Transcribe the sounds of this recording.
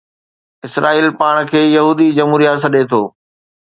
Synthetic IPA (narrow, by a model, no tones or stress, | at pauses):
ɪsɾʔaːiːlpaːɽ̃kʰeːjɐɦuːd̪id͡ʑɐmɦuːɾijat̪sɐɗet̪ʰoː